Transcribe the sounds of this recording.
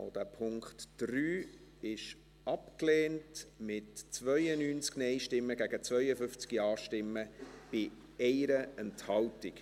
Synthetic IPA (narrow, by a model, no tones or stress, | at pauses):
o̰d̥æːpʰʊŋkχtd̥ɾyː | ɪʃ | ɑpkleːntmɪtt͡sʋœʏənyːnt͡sknɛɪʃtɪmːəɡæɡ̥ət͡svœʏəfʏft͡skijɑːɾʃtɪmːəb̥ɪ | ɛɪɾəɛnthɑltɪk